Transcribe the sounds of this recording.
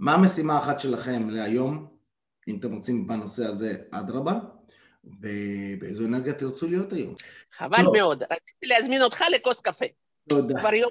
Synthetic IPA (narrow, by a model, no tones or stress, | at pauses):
maːme̞simaːχat̪ʃe̞laχe̞mleajo̞m | imat̪emʁo̞t͡simbano̞se̞aze̞ʔa̰d̪ʁaba | vebeejzoeneʁɡjat̪iʁt͡sulijo̞t̪ajo̞̰mχa̰valomeo̞d̪ɾat͡sit̪ileazmino̞t̪χaleko̞skafe | lod̪avaɾjo